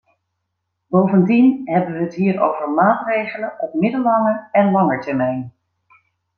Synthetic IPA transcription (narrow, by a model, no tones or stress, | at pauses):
bowvəndinɦɛbəʋəɦətɦiːɹo̰wvəɹmaːtrejχələnɔpmɪdəlɑŋəɹɛnlɑŋəɹtɛɹmɛjn